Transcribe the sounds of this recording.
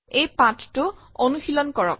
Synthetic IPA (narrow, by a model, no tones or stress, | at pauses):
ejpãttʊonuxilɔnkɔɹɔ̰k̚